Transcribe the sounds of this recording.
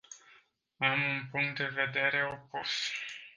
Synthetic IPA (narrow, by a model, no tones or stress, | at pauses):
amunpuŋk̚t̪̚d̪e̞ve̞d̪e̞ɾe̞o̞pos